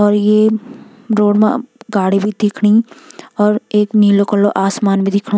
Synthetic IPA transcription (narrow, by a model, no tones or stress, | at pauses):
ɔːɾje | ɾoːɽmẽɡaːɽibʱid̪ɪkʰɽ̃iɔːɾeːkniːlokəlːoʔaːsmaːnbʱid̪ɪkʰɽ̃o